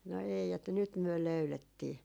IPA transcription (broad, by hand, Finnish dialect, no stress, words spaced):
no ei etːæ nyt myø løyletːiː